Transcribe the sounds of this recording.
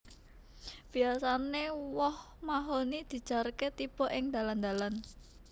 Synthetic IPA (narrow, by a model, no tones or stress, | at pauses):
b̥i̤asanewɔh | maɦonid̪̥i̤̥ʒ̥a̤rket̪ib̥ɔ̤ʔɪŋd̪̥a̤land̪a̤lan